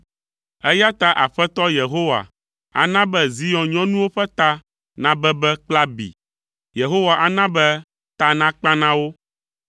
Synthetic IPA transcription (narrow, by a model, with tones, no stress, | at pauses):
ɛ˦ja˦t̪a˦ʔa˨ɸɛ˦t̪ɔ˦je˨ɦo˦wa̰˨ | a̰˨nã˦bɛ˦zi˦jɔ̃˨ɲɔ̃˦nũ˦wo˦ɸɛ˦t̪a˦ | nã˦bɛ˦bɛ˦k͡pla˦bḭ˨ | je˨ɦo˦wa˨ʔa˨nã˦bɛ˦ | t̪a˦nã˦k͡pã˦nã˦wo˦